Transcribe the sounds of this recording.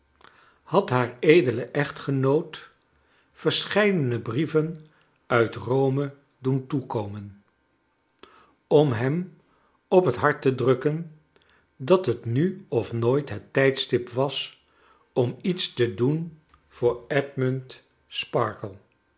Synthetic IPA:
hɑtɦaːɹejdələʔɛχtχənowt | fəɹsχɛjdənəbrivən | œɥtrowmə | duntukowmən | ɔmɦɛm | ɔpɦətɦɑɹtədrɵkən | dɑtɦətnyɔfnoːjtɦətɛjtstɪpʋɑs | ɔmitstədun | vʊːɹɛdmɵnt | spɑ̰ɹkəlˠ

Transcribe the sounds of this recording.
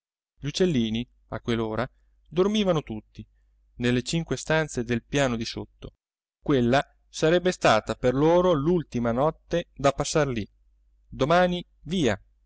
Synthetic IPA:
ʎut͡ʃːelːiːni | a̰kːwelːoːɾa | d̪ormiːvanot̪ut̪ːi | nelːet͡ʃiŋkwest̪ant̪sed̪elpjaːnod̪isot̪ːo | kwelːa | saɾɛbːest̪aːt̪aperloːɾolult̪imanɔt̪ːed̪apːasːarli | d̪omaːni | viːa

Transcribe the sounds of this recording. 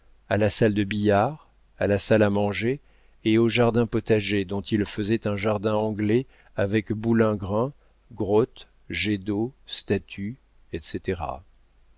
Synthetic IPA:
alasald̪əbijaʁ | alasalamɑ̃ʒeː | oʒaʁd̪ɛ̃pɔt̪aʒed̪ɔ̃t̪ʰilfəzɛt̪ɛ̃ʒaʁd̪ɛ̃ɑ̃ɡle | avɛkbulɛ̃ɡʁɛ̃ | ɡʁɔt̪ | ʒed̪ost̪at̪ʰy | ɛt̪set̪eʁa̰

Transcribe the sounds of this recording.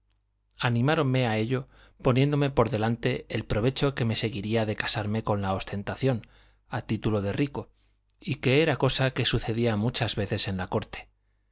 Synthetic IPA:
anĩmaɾo̞nme̞ae̞ʎo̞ | po̞nje̞nd̪o̞me̞po̞ɾðe̞lant̪e̞ːlpɾo̞βe̞t͡ʃo̞ke̞me̞se̞ɣiɾiaðe̞kḁsaɾme̞ko̞nlao̞st̪e̞nt̪aθjo̞n | at̪it̪ulo̞ð̞e̞riko̞ | ike̞eɾako̞sake̞suθe̞ðiamut͡ʃazβe̞θe̞se̞nlako̞ɾt̪e̥

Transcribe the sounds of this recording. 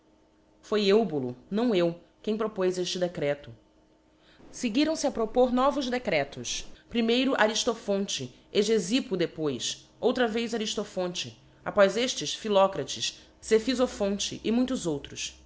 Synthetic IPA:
fojewbulʊnɐ̃w̃ew | kẽj̃pɾopojzeʃt͡ʃɪd̪ekɾɛt̪ʊ | seɡiɾɐ̃w̃sɪapɾopoɾnɔvʊzd̪ekɾɛt̪ʊspɾimejɾʊʔaɾiʃt̪ofõnt͡ʃɪ | eʒezipʊd̪epojs | owt̪ɾɐvejzaɾiʃt̪ofõnt͡ʃɪ | apɔjzeʃt͡ʃɪsfilɔkɾɐt͡ʃɪs | sefizofõnt͡ʃɪ̰ʔɪmũj̃t̪ʊzowt̪ɾʊs

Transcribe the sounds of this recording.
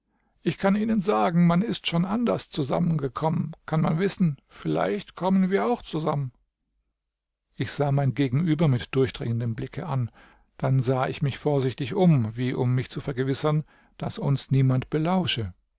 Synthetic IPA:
ʔɪçkʰaniːnənzaːɡŋ̩manɪstʃoːnʔandɐst͡suza̰mənɡəkʰɔmənkʰanmanvɪsn̩fɪla̰ɪçtkʰɔmənviːɐaʊxt͡suzamən | ʔɪçz̥aːmaɪnɡeːɡŋ̩ʔyːbɐmɪtd̥ʊɐçd̥ʁɪŋəndəmblɪkʰəʔan | d̥anzaːʔɪçmɪçfoːɐzɪçtɪçʔʊmviːʔʊmːɪçt͡sufɛɐɡəvɪsɐn | d̥asʊnsniːmantb̥əlaʊʃə

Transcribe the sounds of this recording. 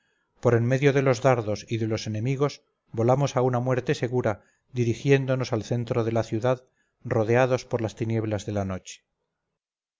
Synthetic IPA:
po̞ɾe̞nme̞ðjo̞ðe̞lo̞zðaɾðo̞siðe̞lo̞se̞nẽ̞miɣ̞o̞s | bo̞lamo̞saunamwe̞ɾt̪e̞se̞ɣuɾa | d̪iɾixje̞nd̪o̞no̞salθe̞nt̪ɾo̞ð̞e̞laθjuðað | ro̞ðeaðo̞spo̞ɾlast̪inje̞βlazðe̞lano̞t͡ʃe̥

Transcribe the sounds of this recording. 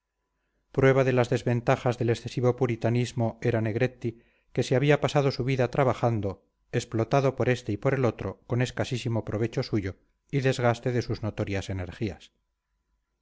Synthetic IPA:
pɾwe̞β̞aðe̞lazðe̞zβe̞nt̪axazðe̞leksθe̞siβo̞puɾit̪anizmo̞e̞ɾane̞ɣɾe̞t̪ːi | ke̞seaβiapasað̞o̞suβiðat̪ɾaβaχand̪o̞ | esplo̞t̪aðo̞po̞ɾe̞st̪e̞ipo̞ɾe̞lo̞t̪ɾo̞ko̞ne̞skasisimo̞pɾo̞β̞e̞t͡ʃo̞suʝo̞ | iðe̞zɣ̞ast̪e̞ðe̞suzno̞t̪o̞ɾjase̞ne̞ɾxias

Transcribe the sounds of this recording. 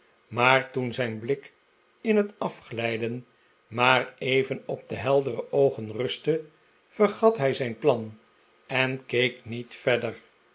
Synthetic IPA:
maːɹtunzɛjnblɪk | ɪnɦətɑfχlɛjdən | maːrejvənɔb̚d̪əɦɛlˠdərəʔowχənrɵstə | fəχɑtɦɛjzɛjnplɑn | ɛnkejknitfɛdər

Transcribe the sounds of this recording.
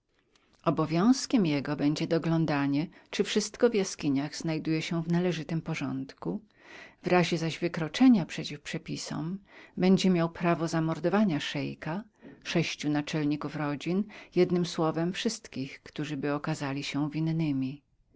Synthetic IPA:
ɔbɔvʲjɔ̃w̃skʲɛmjɛɡɔbɛɲd͡ʑɛd̪ɔɡlɔ̃nd̪aɲɛt͡ʂɘfʂɘst̪kɔvjaskʲiɲaɣznajd̪ujɛɕɛvnalɛʐɘt̪ɘmpɔʐɔnt̪ku | vɾaʑɛzaʑvɘkɾɔt͡ʂɛɲapʂɛt͡ɕifpʂɛpʲisɔ̰mbɛɲd͡ʑɛmʲjawpɾavɔzamɔɾd̪ɔvaɲaʂɛjka | ʂɛɕt͡ɕunat͡ʂɛlɲikufɾɔd͡ʑinjɛd̪nɘmswɔvɛmfʂɘst̪kʲixkt̪uʐɘbɘɔkazalʲiɕɛvʲinːɘmʲi

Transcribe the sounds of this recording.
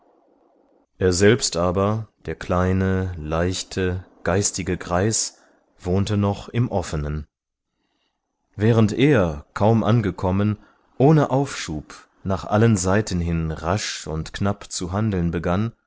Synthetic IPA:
ʔeːɐzɛlpstʔaːbɐd̥eːɐkʰl̥aɪnəlaɪçtʰəɡ̥aɪstɪɡəɡʁaɪs | v̥oːntənɔχɪmʔɔfənən | vɛːʁ̞əntʔeːɐkʰaʊmʔa̰nɡəkʰɔmən | ʔoːnəʔaʊfʃuːp | naːχʔa̰lənzaɪtʰn̩ɦɪnʁaʃʊ̰ntknapt͡suɦandl̩nbəɡan

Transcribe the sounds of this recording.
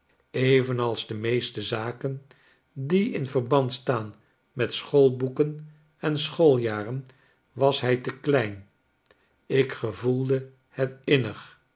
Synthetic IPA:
ejvənɑlˠzdəmejstəzaːkən | diɪnvəɹbɑntstaːn | mɛtsχolˠbukən | ɛnsχolˠjaːrən | ʋɑsɦɛjtəklɛjn | ɪkχəvulˠdə | hətɪnəχ

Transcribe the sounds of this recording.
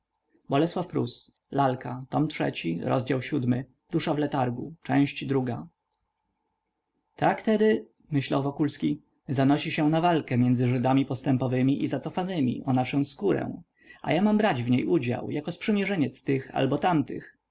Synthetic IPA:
bɔlɛswafpɾus | lalkat̪ɔmtʂɛ̰t͡ɕiɾɔ̰zd͡ʑawɕud̪mɘ | d̪̥uʂavlɛt̪aɾɡṵt͡ʂɛ̃w̃ɕt͡ɕd̪ɾuɡa | t̪akt̪ɛd̪ɘ | mɘɕla̰wvɔkulskʲi | zanɔɕiɕɛnavalkɛmʲjɛnd̪zɘʐɘd̪amʲipɔst̪ɛmpɔvɘmʲiʔizat̪sɔfanɘmʲḭʔɔnaʂɔ̃w̃skuɾɛ̰̃w̃ | a̰jamambɾad͡ʑvɲejʔud͡ʑa̰wjakɔspʂɘmʲjɛʐɛɲɛt̪st̪ɘxa̰lbɔt̪amt̪ɘ̰x

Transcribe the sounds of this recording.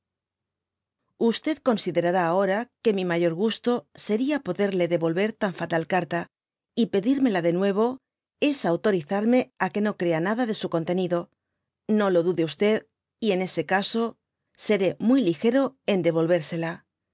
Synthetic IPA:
ust̪e̞ðko̞nsiðe̞ɾaɾaːo̞ɾake̞mimaʝo̞ɾɣ̞ust̪o̞se̞ɾiapo̞ðe̞ɾle̞ðe̞βo̞lβe̞ɾt̪aɱfat̪alkaɾt̪a | ipe̞ðiɾme̞laðe̞nwe̞β̞o̞ | e̞sawt̪o̞ɾiθaɾme̞ake̞no̞kɾe̞anaðaðe̞suko̞nt̪e̞niðo̞ | no̞lo̞ðuðe̞ust̪e̞ð | ie̞ne̞se̞kaso̞ | se̞ɾe̞mujlixe̞ɾo̞e̞nd̪e̞β̞o̞lβe̞ɾse̞la

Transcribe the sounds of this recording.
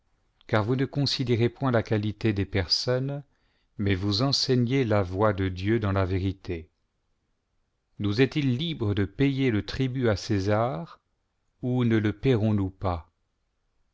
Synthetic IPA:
kaʁvunəkɔ̃sid̪eʁepwɛ̃lakalit̪ed̪epɛʁsɔn | mɛvuzɑ̃sɛɲelavwad̪əd̪jød̪ɑ̃laveʁit̪e | nuzɛt̪ilːibʁəd̪əpɛjelət̪χibyasezaːʁ | unələpɛʁɔ̃nupa

